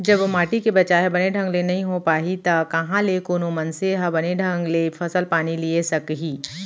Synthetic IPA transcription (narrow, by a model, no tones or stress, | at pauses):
d͡ʒɐbmaːʈikebɐt͡ʃaːɦebɐneɖʱə̃ŋɡlenɐɦĩɦopaːɦit̪ɐkɐɦãlekoːnomɐnseɦɐbɐneɖʱə̃ŋɡlefʰɐsəlpaːniliesɐkɦiː